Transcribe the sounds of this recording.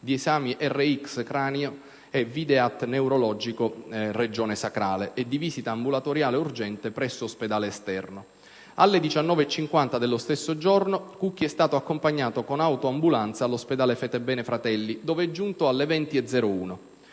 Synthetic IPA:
d̪iesaːmiʔɛrːeikskɾaːnjo | ɛvid̪eat̪ːnewɾolɔd͡ʒikored͡ʒoːnesakɾaːleʔed̪iviːsit̪aːmbulat̪oɾjaːleurd͡ʒɛnt̪epɾɛsːoːsped̪aːleːst̪ɛrno | alːed̪it͡ʃanːɔːveːt͡ʃːiŋkwant̪ad̪elːost̪esːod͡ʒornokuk̟ːiɛst̪aːt̪oakːompaɲːaːt̪okonawt̪oambulant̪salːosped̪aːlefɛt̪ɛbːɛːnefɾat̪ɛlːid̪ɔːveɛd͡ʒːunt̪oalːevɛnt̪ied̪zɛːɾouːno

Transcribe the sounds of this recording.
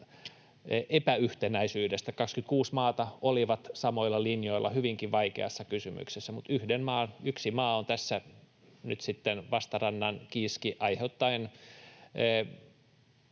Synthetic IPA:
ʔepæyht̪enæisyːdest̪ækɑkskyt̪̚kuːsmɑːt̪ɑoliʋɑt̪sɑmoilːˑɑlinjoilˑːɑ̰hyʋiŋkiʋʋɑikḛɑsːɑkysymy̰ksesːæmut̪yhdenmɑːnyksimɑːont̪æsːæ | nyt̪sit̪ːenʋɑst̪ɑrɑnːɑnkiːskiʔɑiheut̪ːɑinː

